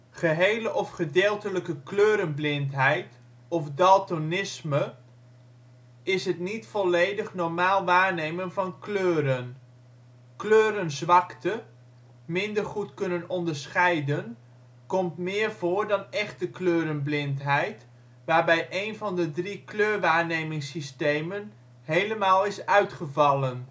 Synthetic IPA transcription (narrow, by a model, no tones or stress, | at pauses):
χəɦejləʔɔfχədeːlˠtələkəkløːɾənblɪntɦɛjt | ɔfdɑlˠtonɪsmə | ɪsɦətnitfɔlejdəχnɔɹmaːlˠʋaːɹnejmənvɑnkløːɾən | kløːɾənzʋɑktə | mɪndəɹχutkɵnənɔndəɹsχɛjdən | kɔmtmɪːɹvoːɹdɑnɛχtəkløːɾənblɪntɦɛjt | ʋaːɹbɛjʔejnvɑndədrikløːɹʋaːɹnejmɪŋsistejmən | ɦejləmaːlˠɪsœɥtχəvɑlˠən